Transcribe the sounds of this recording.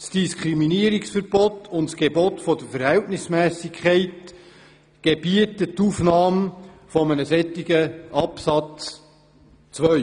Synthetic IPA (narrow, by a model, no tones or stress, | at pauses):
sd̥iskʰχɾiminiəɾiksfəɾb̥ɔtʰʊntsɡ̥ebɔtfɔd̥̪əfəɾhɛltnɪsmæːsɪkʰχɛɪt | ɡ̥eb̥iətətuːfnɑːmfɔmənəsɛt̪ːiɡəʔɑpsɑt͡s | t͡sʋœʏ